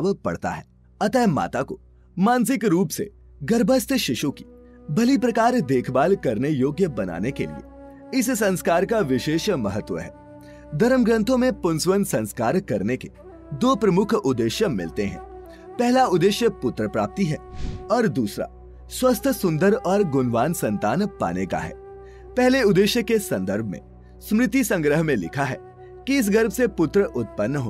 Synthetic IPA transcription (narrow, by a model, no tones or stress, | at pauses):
ʋpɐ̰ɽt̪a̰ɦɛː | ɐt̪ɛːma̰ːt̪ako̰ | mãːns̬ɪkɾuːpsḛ | ɡɐɾbʱəst̪ʰʃɪʃuki̥ | bʱɐlipɾɐkaːɾd̪eːkʰbaːlkɐɾnejoːɡjəbɐna̰ːnekḛlḭḛ | ɪssɐ̃nskaːɾkaʋɪʃeːʃmɐɦət̪ːʋə̰ɦɛ̰ː | d̪ʱɐɾəmɡɾə̃nt̪ʰõmẽpʊnswənsɐ̃nskaːɾkɐɾneke | d̪oːpɾɐmʊkʰʊd̪ːeːʃjəmɪ̰lt̪eɦɛ̰̃ː | pɛɦlaʊd̪ːeːʃjəpʊt̪ɾəpɾa̰ːp̚t̪iɦɛːɔːɾd̪uːsɾa̰ | swɐst̪ʰsʊ̃nd̪əɾɔːɾɡʊnʋaːnsɐ̃nt̪aːnpa̰ːneka̰ɦɛ̰ː | pɛɦleʊd̪eːʃjəkesɐ̃nd̪əɾbʱmḛ̃ | smɾɪt̪isɐ̃ŋɡɾəɦmẽlɪ̰kʰaɦɛː | kiɪs̬ɡɐɾbʱsepʊt̪ɾəʔʊt̪̚pənːɦo̰ː